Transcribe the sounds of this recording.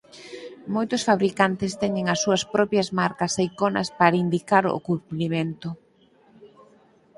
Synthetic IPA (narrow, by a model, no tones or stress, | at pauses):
mojt̪ʊsfaβɾikant̪ɪst̪ɛɲɪŋɐsːuɐspɾɔpjɐzmaɾkɐsejkonɐ̰spaɾaind̪ikaɾʊ̰kumplimẽnt̪ʊ